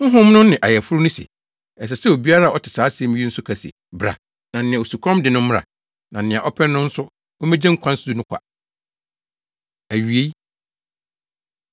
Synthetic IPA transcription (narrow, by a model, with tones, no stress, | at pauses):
ŋ̩˦ɦʊ̃˦mnʊ̃˦nɪ̃˨ʔa˨jɛ˨fʊ˦ɾʊ˦nʊ̃˦sɛ̰˨ | ɛ˨s̬ɛ˨sɛ˦o˨bi˦a˦ɾa˦˨ɔ˦tʰɪ̥˨saː˨˦sɪ˨ɛ˨˦mĩ˦ɥi˦n̩˦sʊ˦kʰæ˨si˨ḭ˨bɾa̰˨ | nã˨n̩˨ɪ̃˨a˨o˨su˨kʰɔ̃˦mdɪ˨nʊ̃˦m̩˦m˦ɾa̰˨ | nã˨n̩˨nɪ̃˨a˨ʔɔ˦pʰɛ˦nʊ̃˦n̩˦sʊ˦ | ɔ˦mɛ̃˦d͡ʑɛ̃˦ŋ̩˦kʷʰã˦n̩˦ssu˦nʊ̃˦kʷʰa̰˨ | æ˨ɥi˨e˦i˦